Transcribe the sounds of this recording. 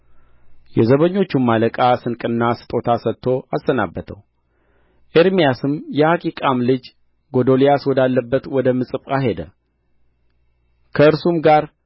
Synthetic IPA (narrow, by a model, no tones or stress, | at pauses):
jɛzəβəɲːo̞t͡ʃːumːaləkʼasɨnkʼɨnːasɨ̥t̪ʼo̞t̪ʰasət̪ʰːo̞ʔasːəna̰bːət̪ʰə̰w | ʔeɾmijasɨmjɛhakʼikʼamlɨd͡ʒ | ɡo̞d̪o̞lijaswɔd̪alːəbːət̪wɔd̪əmɨsʼɨpʼaɦe̞d̪ə̰ | kʰəɨɾsumɡaɾ